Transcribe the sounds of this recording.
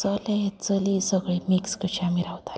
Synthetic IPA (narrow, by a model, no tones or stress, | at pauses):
t͡səlet͡səlisəɡɭimikskət͡ɕʰamiɾawt̪ḁl